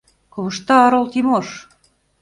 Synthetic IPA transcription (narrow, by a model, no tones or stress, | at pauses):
kŏβɤ̆ʃt̪ɑːɾolˠt̪imoʃ